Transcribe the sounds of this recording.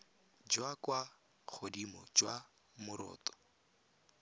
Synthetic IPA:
d͡ʒwakwa | k͡xʰodimɔd͡ʒwa | mʊɾɔ̰ːtɔ̥

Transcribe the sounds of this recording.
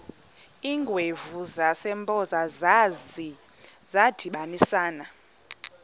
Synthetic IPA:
iːŋɡʱwevuzasɛmbʼɔzaz | zad̥ʱiɓanisaːna

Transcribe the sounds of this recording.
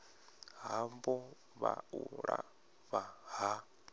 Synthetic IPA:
ɦambɔ | βauɺa | βaɦa

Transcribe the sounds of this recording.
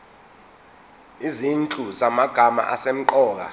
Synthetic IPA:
izint͡ɬʼuzamaɡ̥ʱama̰ʔasem̩ǃɔːk̬a̰

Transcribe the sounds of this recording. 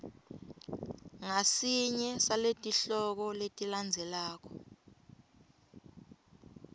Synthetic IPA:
ŋasiɲɛsaletʼiɬɔk̬ɔletʼiland͡zʱɛlaːk̬ʰɔ

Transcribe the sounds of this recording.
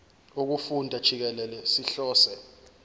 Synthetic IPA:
uk̬ufundʱad̥ʒ̥ʱik̬ɛlɛlɛsiɬɔːsɛ

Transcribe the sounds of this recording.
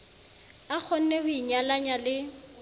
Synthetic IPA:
ak͡xʰɔn̩nɛhʊiɲalaɲalɪ

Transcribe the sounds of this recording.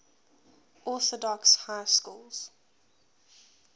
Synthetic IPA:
ʔɔˑθɔdɔkshaɪskuːlz̥

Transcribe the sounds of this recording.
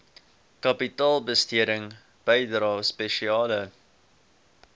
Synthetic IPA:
kɐpitɑːlˠbəstiəɾəŋ | b̥əjdɾɑːspɛʃiɑːlə

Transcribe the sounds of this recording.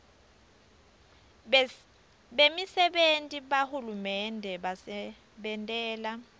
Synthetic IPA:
ɓemisɛɓentʼiɓahulumɛndʱɛɓasɛ | ɓɛntʼɛːla

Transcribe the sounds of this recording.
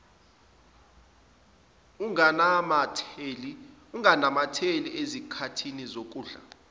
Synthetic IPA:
uŋanamatʰeliuŋanamatʰeliʔezikʰatʰinizok̬ʼuːɮa̰

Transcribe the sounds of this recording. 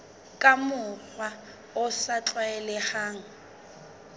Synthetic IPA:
kʼamʊk͡xwa | ʊsat͡ɬwaɛlɛχaːŋ̩

